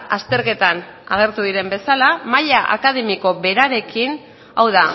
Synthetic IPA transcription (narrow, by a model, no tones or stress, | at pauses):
ast̪e̞ɾke̞t̪anaɣ̞e̞ɾt̪uðiɾe̞mbe̞salamaʎaʔa̰kað̞e̞miko̞βe̞ɾaɾe̞kin | awða